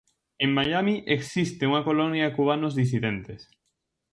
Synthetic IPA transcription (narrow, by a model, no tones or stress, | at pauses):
ẽŋmajamiʔeksist̪euŋɐkolonjakuβ̞anozðis̬iðent̪es